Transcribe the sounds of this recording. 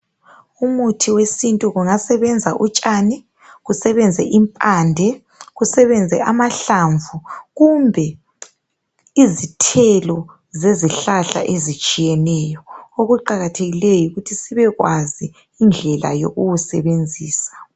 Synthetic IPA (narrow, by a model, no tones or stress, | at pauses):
umutʰiwesintʼuɣuŋasɛβɛnd͡zʱaʔut͡ʃʼanɛ | ɣusɛβɛnd͡zʱɛʔimpʼandʱɛ | ɣusɛβɛnd͡zʱɛʔamaɬaɱvuɣumbʱɛ | izitʰɛlɔ | zeziɬaɬa̰ʔezit͡ʃʼijɛnɛjɔoɣuǃaɣatʰeɣilejuɣutʰisiβɛɣwaziː | nd͡ɮʱɛla̰jo̰ɣuwusɛβend͡zʱiːsḁ